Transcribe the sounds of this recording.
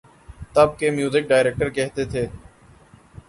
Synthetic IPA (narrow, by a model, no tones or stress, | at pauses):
t̪əb̚keːmjuːzɪk̚ɖaːɪɾeːk̚ʈəɾkɛɦt̪et̪ʰeː